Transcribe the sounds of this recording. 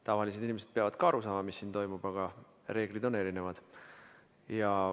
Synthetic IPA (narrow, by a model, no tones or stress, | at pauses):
t̪ɑvɑlis̬e̥inʲimesed̪̥̚peɑvɑd̪̥̚kɑɑɾusɑːmɑmisːiːnt̪o̞jmub̥ɑɡ̥ɑ | re̞ːɡ̥lid̪o̞nːe̞ɾine̞vɑd̪̥ | jɑ